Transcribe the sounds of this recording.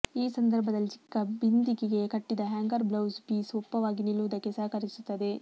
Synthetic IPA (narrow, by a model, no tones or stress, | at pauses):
iːsɐnd̪ɐɾbʱɐd̪ɐlːit͡ʃikːɐbind̪iɡiɡe̞kɐʈːid̪ɐɦaːŋɡɐɾblɐwsbiːsopːɐʋaːɡinilːuʋɐd̪ɐkːesaːkɐɾisut̪ːɐd̪e̞